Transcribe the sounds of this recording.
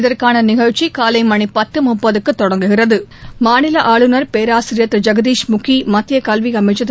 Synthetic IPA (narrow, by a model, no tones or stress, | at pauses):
ɪðɐrkaːnɐnɪɣɐɻt͡ʃikaːlɐɪmɐɳipɐt̪ːɯmʊpːɐðɯkːɯt̪ːɔɽɐŋɡɯɣɪrɐðɯmaːnɪlɐʔaːɭɯnɐɾpeːɾaːsɪɾɪjɐt̪ːɾɯd͡ʒɐɡɐd̪iːʂmʊkːimɐt̪ːɪjɐkɐlʋiɐmɐɪt͡ʃːɐt̪ː